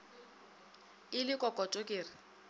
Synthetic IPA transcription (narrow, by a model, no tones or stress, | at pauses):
ɪlɪkʼɔkʼɔtʼokʼeːrɪ